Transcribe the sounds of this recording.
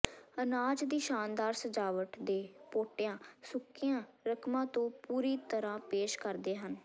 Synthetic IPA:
ənaːd͡ʒd̪iːʃaːnd̪aːɾsəd͡ʒaːʋəʈd̪eːpoːʈɪjãːsʊkːɪjãːɾəkʰmãːt̪õːpuːɾiːt̪əɾãːpeːʃkəɾd̪eːɦən

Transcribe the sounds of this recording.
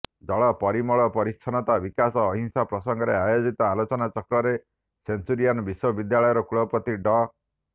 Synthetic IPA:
d͡ʒɔɭɔpɔɾimɔɭɔpɔɾist͡ʃʰɔnɔt̪abikasɔːɦĩŋsapɾɔsɔŋɡɔɾeajod͡ʒit̪ɔalot͡ʃɔnat͡ʃɔkɾɔɾe | sensuɾijanɔbiswɔbid̪jaɭɔjɔɾɔkuɭɔpɔt̪iɖɔ

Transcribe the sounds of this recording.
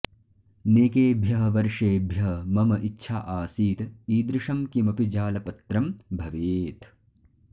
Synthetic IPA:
neːkeːbʱjɐɦɐʋɐɾʂeːbʱjɐɦmɐmɐʔitːʃʰa̰ːʔaːsiːt̪iːd̪ɾɪʂɐmkimɐpid͡ʒaːlɐpɐt̪ɾɐmbʱɐʋeːt̪

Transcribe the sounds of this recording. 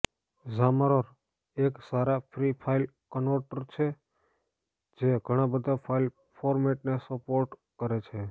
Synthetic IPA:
zamaɾoɾ | eksaɾapʰɾipʰail | kənoʈəɾt͡ʃʰe | d͡ʒeɡʱəɽ̃ãbəd̪ʱapʰail | pʰoɾmeʈnesəpoɾʈkəɾet͡ʃʰe

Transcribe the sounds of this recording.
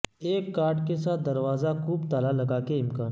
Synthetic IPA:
eːkːaːɾɖkesaːt̪̚d̪ɐɾʋaːzakuːbt̪aːlalɐɡaːkeɪmkaːn

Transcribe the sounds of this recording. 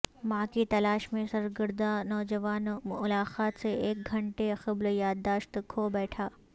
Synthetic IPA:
mãːkit̪ɐlaːʃmẽsɐɾɡɪɾd̪anɔːd͡ʒɐʋaːnʊlaːqaːt̪seeːk̚ɡʱɐ̃ɳʈexɐbljaːd̪ːaːʃt̪kʰobɛːʈʰaː

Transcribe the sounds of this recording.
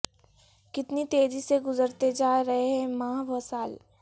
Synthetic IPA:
kɪt̪nit̪eːziseɡʊzəɾt̪ed͡ʒaːɾɐɦeɦɛ̃mãːʋɐsaːl

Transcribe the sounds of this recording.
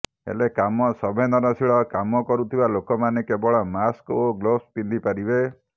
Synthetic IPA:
ḛlekamɔsɔbʱenɔnɔsiɭɔkamɔkɔɾut̪ʰibalokɔmanekebɔɭɔmaskoɡlospind̪ipaɾibe

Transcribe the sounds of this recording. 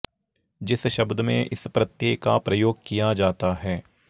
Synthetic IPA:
d͡ʒɪsʃɐbd̪mḛ̃ʔɪ̰spɾɐt̪jeːkkːapɾɐjoːɡ̚kijad͡ʒaːt̪aɦɛː

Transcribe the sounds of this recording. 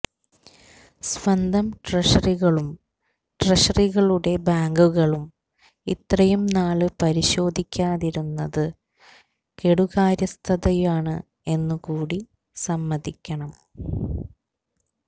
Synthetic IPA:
sʋɐnd̪ʱɐmʈrɐʂɐriɣɐɭum | ʈreʂɐriɣɐɭuɽe̞baːŋɡuɣɐɭum | ḭt̪rɐjumnaːɭɨpɐɾiɕo̞ːd̪ʱikʲːaːðiɾunːɐðɨ | keɽuɣaːɾjɐst̪ʰɐðɐjaːɳɨ | e̞nːukuːɽi | sɐmːɐðikʲːɐɳɐm

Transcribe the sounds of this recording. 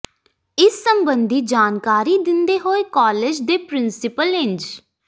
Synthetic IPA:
ɪsːəmbənd̪ʱiːd͡ʒaːnkaːɾiːd̪ɪnd̪eːɦoːeːkɔːleːd͡ʒd̪eːpɾɪnsɪpəlɪ̃nd͡ʒ

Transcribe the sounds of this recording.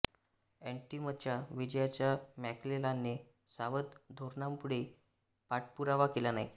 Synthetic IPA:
eɳʈimət̪t͡ɕjaʋid͡ʑjat͡ɕjamæklelanːe | saʋət̪d̪ʱoɾnampuɽe | paʈ̚puɾaʋakelanaj

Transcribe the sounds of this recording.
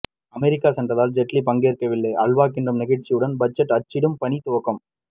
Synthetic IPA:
ɐmɛɾɪkːaːsɐndrɐðaːld͡ʒɛʈlipɐŋɡeːrkɐʋɪlːɐɪʔɐɭʋaːkːɪndrɯmnɪɣɐɻt͡ʃːɪjɯɽɐnbɐt͡ʃːɐʈːɐt͡ʃːɪɽɯmpɐnit̪ʊʋɐkːɐm

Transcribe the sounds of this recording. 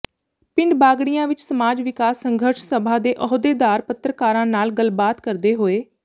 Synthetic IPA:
pɪɳɖbaːɡɽijãːʋɪt͡ʃsəmaːd͡ʒʋɪkaːsːəŋɡʱəɾʃsəbʱãːd̪eːʔɔɦod̪eːd̪aːɾpət̪ɾəkaːɾãːnaːlɡəlbaːt̪kəɾd̪eːɦoːeː

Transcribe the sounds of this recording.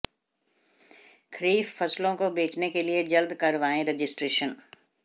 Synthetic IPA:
kʰɾiːffɐslõkobeːt͡ʃnekelied͡ʒɐld̪kɐɾʋaːẽɾed͡ʒɪsʈɾeːʃən

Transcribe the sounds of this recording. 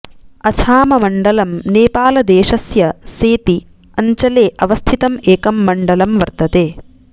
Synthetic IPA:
ɐt͡ʃʰaːmɐmɐɳɖɐlɐmneːpaːlɐd̪eːʃɐsjɐseːt̪i | ɐɲt͡ʃɐleːʔɐʋɐst̪ʰit̪ɐmeːkɐmːɐɳɖɐlɐmʋɐɾt̪ɐt̪eː

